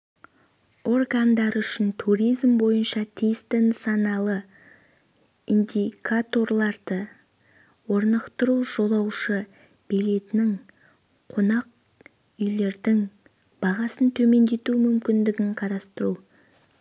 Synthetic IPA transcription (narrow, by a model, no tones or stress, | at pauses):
o̞rɡand̪ɑɾʏʃɪnt̪ʰuɾijzmbo̞jənʃɑt̪ʰijst̪ɪnsɑnɑlˠə | ind̪ʲikʰat̪o̞rlˠɑɾd̪̥ə | wo̞ɾnəqt̪əɾuʒ̥o̞lˠɑwʃə | b̥ile̞t̪ɪnɪŋ | qʰo̞nɑq̚ | ʏjle̞ɾd̪ɪŋ | b̥ɑʁɑsənt̪ʰɵme̞nd̪e̞t̪umʏmkʲɪnd̪ɪɡʲɪɴqʰɑɾɑst̪əɾu